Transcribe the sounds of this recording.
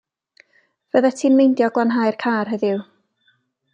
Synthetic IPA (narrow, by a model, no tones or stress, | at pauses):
v̥əðɛtʰiːnmejndjɔɡlˠanɦaːjrkʰaːrɦəðɪw